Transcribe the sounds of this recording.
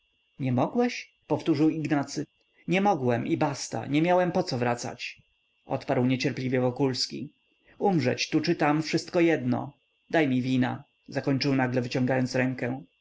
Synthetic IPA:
ɲɛmɔɡwɛɕ | pɔft̪uʐɘwiɡnat̪sɘ | ɲɛmɔɡwɛmibast̪a̰ɲɛmʲjawɛmpɔt̪sɔvɾat̪sa̰t͡ɕ | ɔ̰t̪paɾwɲɛt͡ɕɛɾplʲivʲjɛvɔkulskʲḭ | umʐɛt͡ɕt̪ut͡ʂɘt̪amfʂɘst̪kɔjɛd̪nɔ̰ | d̪ajmʲivʲina̰ | zakɔɲt͡ʂɘwnaɡlɛvɘt͡ɕɔ̃ŋɡajɔnt̪sɾɛŋkɛ̃

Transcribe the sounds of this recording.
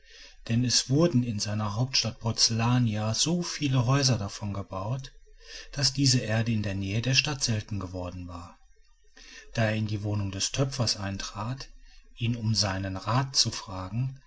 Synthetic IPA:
d̥ɛnɛsv̥ʊɐdn̩ɪnzaɪnɐɦaʊp̚tʃtat̚pʰɔɐt͡selaːniaz̥oːfiːləɦɔʏzɐdafɔnɡəbaʊtd̥asd̥iːzəʔeːɐdəɪndeːɐnɛːədeːɐʃtatz̥ɛltn̩ɡəvɔɐdn̩vaːɐ | d̥aːeːɐɪndiːvoːnʊŋdɛstʰœpp͡fɐsʔaɪntʁ̥aːtʔiːnʊmzaɪnənʁaːtt͡sufʁ̥aːɡŋ̩

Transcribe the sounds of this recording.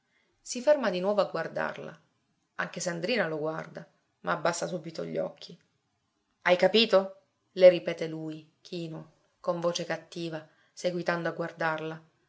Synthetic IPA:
sifermad̪inwɔːvoaɡward̪a̰rla̰ | aŋk̟eseand̪ɾiːnaloɡward̪a | maːbːasːasuːbit̪o̰ʎːɔ̰kʰːi | ajkapiːt̪o | leɾipɛːt̪eluj | k̟ʰiːno | koɱvoːt͡ʃekat̪ːiːva | seɡwit̪and̪oaɡward̪arla

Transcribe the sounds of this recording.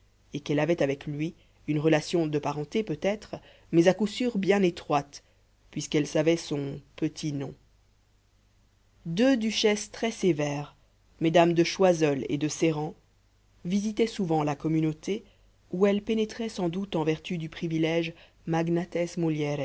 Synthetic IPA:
ekɛlavɛt̪avɛklɥi | ynʁəlasjɔ̃d̪əpaʁɑ̃t̪epøt̪ɛt̪χ | mɛzakusyʁbjɛ̃net̪χwat̪ | pɥiskɛlsavɛsɔ̃pət̪ʰinɔ̃ | d̪ød̪yʃɛst̪χɛsevɛːʁ | med̪amd̪əʃwazɔlḛd̪əseʁɑ̃ | vizit̪ɛsuvɑ̃lakɔmynot̪e | uɛlpenet̪χɛsɑ̃d̪ut̪ɑ̃vɛʁt̪yd̪ypχivilɛʒ | maɡnat̪ɛsmuljɛɾɛ

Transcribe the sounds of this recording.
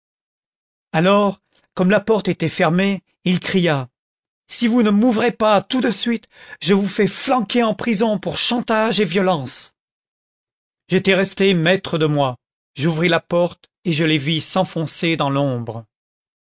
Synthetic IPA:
alɔʁ | kɔmlapɔʁt̪et̪ɛfɛʁme | ilkχija | sivunəmuvʁepat̪ud̪əsɥit̪ʒəvufɛflɑ̃kʲeɑ̃pχizɔ̃puʁʃɑ̃t̪aʒevjɔlɑ̃s | ʒet̪ɛʁɛst̪emɛt̪χəd̪əmwa | ʒuvʁilapɔʁt̪ | eʒəlevisɑ̃fɔ̃sed̪ɑ̃lɔ̃bʁə

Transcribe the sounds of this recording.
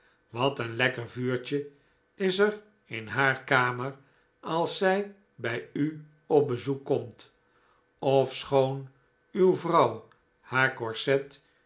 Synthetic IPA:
ʋɑtənlɛkəɹvyːɹt͡ʃə | ɪsər | ɪnɦaːɹkaːməɹ | ɑlˠsɛj | bɛjy | ɔp̚bəzukːɔmt | ɔfsχown | ywvrɑw | haːɹkɔɹsɛt

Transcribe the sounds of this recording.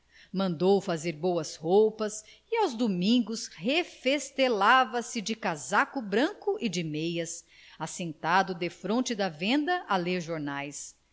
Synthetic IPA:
mɐ̃nd̪owfazeɾbowɐshowpɐs | ɪawzd̪omĩŋɡʊshefest̪elavɐsɪd͡ʒɪkazakʊbɾɐ̃kʊʔɪd͡ʒɪmejɐs | asẽnt̪ad̪ʊd̪efɾõnt͡ʃɪd̪ɐvẽnd̪ɐʔɐleɾʒoɾnajs

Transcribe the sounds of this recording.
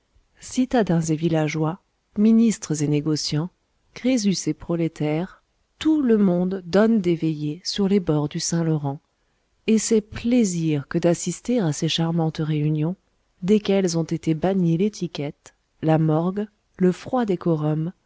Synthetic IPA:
sit̪ad̪ɛ̃zevilaʒwa | minist̪χəzeneɡɔsjɑ̃ | kχezysepχɔlet̪ɛʁ | t̪uləmɔ̃d̪ːɔnd̪evejesyʁlebɔʁd̪ysɛ̃lɔʁɑ̃ | esepleziʁkəd̪asist̪eʁaseʃaʁmɑ̃t̪ʁeynjɔ̃ | d̪ekʲɛlzɔ̃t̪et̪ebaɲelet̪ʰikʲɛt̪ | lamɔʁɡ | ləfχwad̪ekɔʁɔm

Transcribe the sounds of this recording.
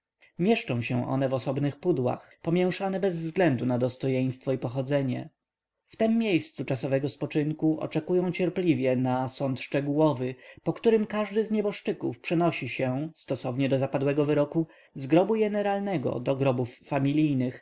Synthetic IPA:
mʲjɛʂt͡ʂɔ̃w̃ɕɛ̃ʔɔ̰nɛvɔsɔbnɘxpud̪wa̰xpɔmʲjɛw̃ʂanɛbɛzvzɡlɛnd̪unad̪ɔst̪ɔjɛj̃st̪fɔipɔxɔd̪zɛɲɛ̰ | ft̪ɛmːʲjejst̪sut͡ʂasɔvɛɡɔspɔt͡ʂɘŋkuʔɔ̰t͡ʂɛkujɔ̃w̃t͡ɕɛɾplʲivʲjɛnasɔnt̪ʂt͡ʂɛɡuwɔvɘpɔkt̪uɾɘmkaʐd̪ɘzɲɛbɔʂt͡ʂɘkṵfpʂɛnɔɕiɕɛst̪ɔsɔvɲɛd̪ɔzapad̪wɛɡɔvɘɾɔku | zɡɾɔbujɛnɛɾalnɛɡɔ̰d̪ɔɡɾɔbufːamʲilʲijnɘx

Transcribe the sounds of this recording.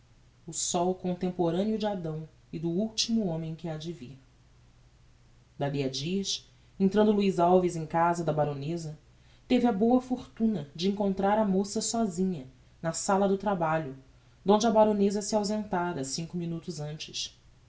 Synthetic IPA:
ʊsɔwkõnt̪ẽmpoɾɐ̃niʊd͡ʒɪad̪ɐ̃w̃ | ɪd̪ʊuwt͡ʃimʊõmẽj̃kɪad͡ʒɪvih | d̪aliɐd͡ʒiɐʃ | ẽnt̪ɾɐ̃d̪ʊluizawvizẽj̃kazɐd̪ɐbaɾõnezɐ | t̪evɪɐbowɐfoɾt̪ũnɐd͡ʒɪĩŋkõnt̪ɾaɾɐmosɐsɔzĩɲɐ | nɐsalɐd̪ʊt̪ɾabaʎʊ | d̪õnd͡ʒɪɐbaɾõnezɐsɪawzẽnt̪aɾɐsĩŋkʊminut̪ʊzɐ̃nt͡ʃɪʃ

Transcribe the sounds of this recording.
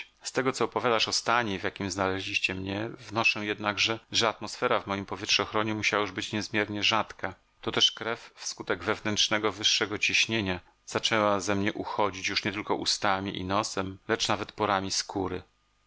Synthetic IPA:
st̪ɛɡɔt̪sɔːpɔvʲjad̪aʂɔst̪aɲɛvjakʲimznalɛʑlʲiɕt͡ɕɛmɲɛvnɔʂɛw̃jɛd̪naɡʐɛʐɛat̪mɔsfɛɾavmɔjimpɔvʲjɛtʂɛɔxɾɔɲɛmuɕawajuʐbɘt͡ɕɲɛzmʲjɛɾɲɛʐat̪ka | t̪ɔt̪ɛʂkɾɛfːskut̪ɛɡvɛvnɛntʂnɛɡɔvɘʂːɛɡɔt͡ɕiɕɲeɲa | z̥at͡ʂɛwazɛmɲɛʔuxɔd͡ʑit͡ɕjuʂɲɛt̪ɘlkɔʔṵst̪amʲiʔḭnɔsɛmlɛt͡ʂnavɛt̪pɔɾamʲiskʰuɾɘ

